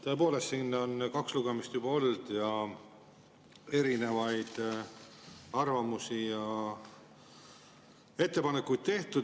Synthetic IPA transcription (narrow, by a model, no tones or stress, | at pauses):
t̪o̞e̞poːle̞st̪sinːo̞nkɑksluɡe̞mist̪jubɑo̞ld̪̥jɑ | e̞ɾine̞vɑjd̪̥ | ɑrvɑmusijɑ | e̞t̪ːe̞pɑne̞kːˑujd̪̥̚t̪e̞ht̪ud̪